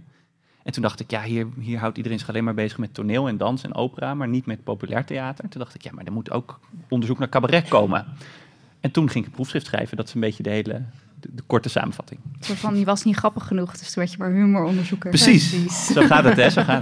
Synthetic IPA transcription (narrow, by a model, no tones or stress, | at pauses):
ʔɛntundɑχtɪkjaːɦiːɹɦiːɹɦɑwtidərejnzɪχɑlejnmaːɹbejzəχmɛtonɪːlˠɛndɑnsɛ̰no̰wpəraːmaːɹnitmɛpowpylʔɛ̰ːɹtejaːtəɹntundɑχtɪ̥kja̰ːmaːɹdəmuto̰wkɔndəɹzuknaːɹkabarɛkowmə̰ | ɛntunχɪŋɪkəbrufsχrɪftsχrɛ̰jvədɑtɪ̥səmbejçədəɦejlə̰ | dəkɔɹtəsa̰ːməv̥ɑ̰tɪŋsofɑnjəʋɑsnitχrɑpəχːənuχd̥ɵstunʋɛɹcəmaːɹɦymoɹɔndəɹzupkəprəsissowχaːtɑtɛzoχaː